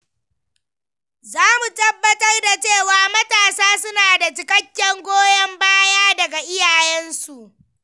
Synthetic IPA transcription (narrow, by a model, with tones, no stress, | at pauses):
zaː˦mu˨tɐ˦bːɐ˦tɐ˦rda˨t͡ʃeː˦˨waː˨mɐ˦taː˨saː˦sʊ˦naː˨da˨t͡ʃɪ˨kʼɐ˦kʲːɛ˦ŋɡʷoː˦jɐ˦mbaː˦jaː˦dɐ˨ɡa˨ʔɪ˦jaː˨jɛ˦nsu˨ʔ